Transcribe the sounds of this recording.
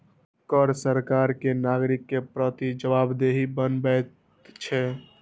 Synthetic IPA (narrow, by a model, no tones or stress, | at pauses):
kəɾsəɾkaɾkenaɡɾikːepɾət̪id͡ʒəbabd̪eɦibənbɛt̪ | t͡ʃʰɛ